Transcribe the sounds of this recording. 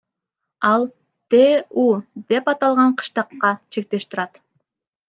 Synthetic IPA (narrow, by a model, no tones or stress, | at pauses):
ɑlˠ | t̪eud̪e̞pɑt̪ɑlˠʁɑɴqʰɯ̥ʃt̪ɑqːɑt͡ʃʰe̞k̚t̪e̞ʃt̪ɪɾɑt̪